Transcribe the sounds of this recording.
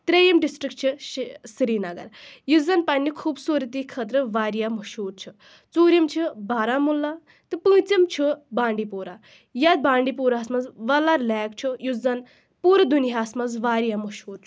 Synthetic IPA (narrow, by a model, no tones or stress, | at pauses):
t̪ɾejimɖisʈɾik̚t͡ʃʰisɾiːnɐɡɐ̰ɾjuzɐnpɐnːikʰuːbsuːɾit̪iːkʰət̪̬ɾɨʋaːɾijamɐʃuːɾt͡ʃʰu | t͡suːɾʲimt͡ʃʰibaːɾamulːa | t̪ɨpɨ̃ːt͡sɐmt͡ʃʰibãːɳɖipuːɾa | jad̪̚baːɳɖipuːɾasmɐzʋɐlaɾlɛːk̚t͡ʃʰujuzɐn | puːɾɐd̪uniɦaːsmɐzʋaːɾijamɐʃuːɾt͡ʃʰu̥